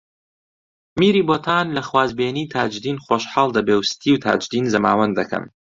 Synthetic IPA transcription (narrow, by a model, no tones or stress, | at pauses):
miɾiːboːt̪ʰaːnlɐxwaːzbeːniːt̪ʰaːd͡ʒd̪iːnχoʃħɑːlˠd̪ɐbeːwst̪ʰiːwt̪ʰa̰ːd͡ʒd̪iːnzɐmaːwɐnd̪ɐkʰɐ̰m